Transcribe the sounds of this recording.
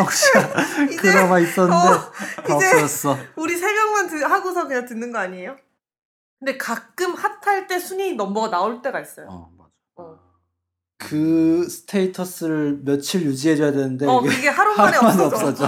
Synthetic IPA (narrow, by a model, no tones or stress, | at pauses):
ʌkɕ͈iaikɯɾamais͈ʌnd͡ʑoid͡ʑeʌs͈ʌuɾisʰe̞mjʌŋmantɯhaɡosʰʌkɯɲaŋtɯnːɯnɡʌaɲiejo | kɯnde̞kak͈ɯmhatʰaɭt͈e̞sʰuɲinʌmbʌnaoɭt͈e̞ɡais͈ʌjoa | ʌ | kɯsʰɯ̥tʰeitʰʌs͈ɯɾɯɭmjʌt͡ɕʰiɭjud͡ʑiɦeɾʌjadenɯnde̞ʌɡeiɡe̞haɾuanemaneʌs͈ʌd͡ʑo